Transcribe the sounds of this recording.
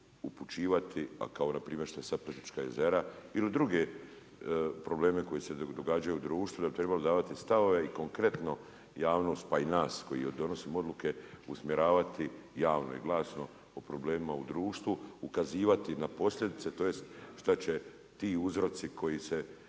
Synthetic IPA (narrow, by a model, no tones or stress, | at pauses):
uput͡ʃiːʋat̪ʰia̰kao̞napɾiːmje̞ɾʃt̪aesapɾet̪it͡ʃkaje̞̰ze̞ɾailid̪ɾuɡe̞ | pɾo̞ble̞ːme̞ko̞jised̪o̞ɡad͡ʒajuːd̪ɾuːʃt̪ud̪abit̪ɾebalod̪aːʋat̪ist̪aʋo̞ʋe̞iko̞ŋkɾe̞t̪no̞ | jaːʋno̞st̪̚painaːsko̞jid̪o̞no̞siːmo̞d̪luke̞usmjeɾaːʋat̪ijaːʋno̰ḭɡlˠaːsno̞ | opɾo̞ble̞ːmimaud̪ɾuːʃt̪ʋuukaziːʋat̪inapo̞slʲʎʲe̞d̪it̪se̞t̪o̞ːje̞st̪ʃt̪at͡ɕe̞ | t̪iːuzɾo̞t̪sikʰo̞jise̞